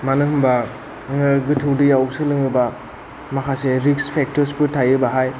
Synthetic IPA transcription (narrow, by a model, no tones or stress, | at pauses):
manɯhɯmba | ŋɯɡɯtʰɯwdɯjawsɯlɯŋɯba | makʰaseɾikspʰek̚tɔɾspɯtʰajɯbaɦaj